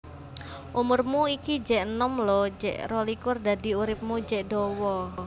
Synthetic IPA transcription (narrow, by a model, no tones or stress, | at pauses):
ʔumʊrmuikid͡ʒɛʔnɔmlɔd͡ʒɛ̰ʔrɔlikʊrd̪ad̪i̤uɾɪp̚mud͡ʒɛʔdɔwɔ